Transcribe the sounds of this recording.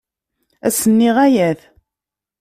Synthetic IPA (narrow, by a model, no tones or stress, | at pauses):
æ̰sənːiʁæjæθ